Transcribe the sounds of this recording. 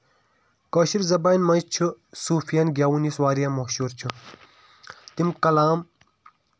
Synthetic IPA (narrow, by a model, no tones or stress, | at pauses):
kɐːɕiɾzɐbɐːjnmɐt͡ɕʰɨsuːfijɐnɡʲaːwuniswaːɾijɐmɐːɕuɾt͡ɕʰu | t̪imkɐlaːm